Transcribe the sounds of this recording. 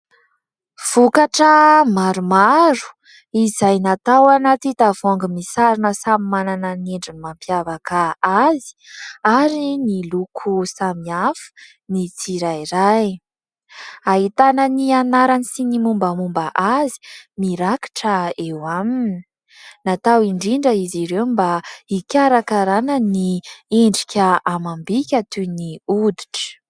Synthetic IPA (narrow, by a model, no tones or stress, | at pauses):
v̥ukaʈ͡ʂəmaɾumaɾu̥ | izajnat̪awanat̪it̪avaŋɡimisaɾinəsamimananəneɳɖ͡ʐinimampjavakaazi̥aɾinilukʰusamiafə̥ | nit͡siɾajɾaj | aɦit̪anənianaɾanisinimumbəmumbaʔazi̥miɾaki̥ʈ͡ʂəewamini | nat̪awiɳɖ͡ʐiɳɖ͡ʐəiziɾewmbaikʲaɾakaɾanənieɳɖ͡ʐikʲəʔamambikʲat̪uniud̪i̥ʈ͡ʂə̥